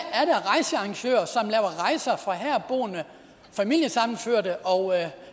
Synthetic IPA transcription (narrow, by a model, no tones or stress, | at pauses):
æɐɾ̥ɑʁɑ̈ɪsəɑ̈ŋɕø̰ːɐsɒ̽mlɛːʊɐʁɑ̈ɪsɐfʁɑ̈ɦæɐ̰b̥o̝̰ːnə | fæmil̰jəsɑ̈m̰n̩føɐ̰dəʔɒ̽ʊ